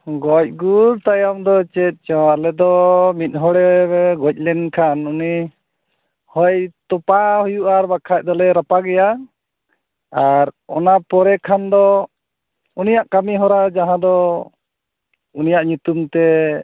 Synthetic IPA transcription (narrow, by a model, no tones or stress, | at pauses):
ɡɔc̚ɡuɾt̪ajamd̪ɔt͡ʃɛt̪̚ˀt͡ʃɔwalɛd̪ɔmit̪̚ˀɦɔɽɛɡɔc̚ˀlɛnkʰanuni | hɔjt̪ɔpahujuʔaɾbakʰat̚ˀd̪ɔlɛɾapaɡɛja | aɾɔnapɔɾɛkʰand̪ɔ | unijaʔkamiɦɔɾad͡ʒaɦãd̪ɔ | unijaʔɲut̪umt̪ɛ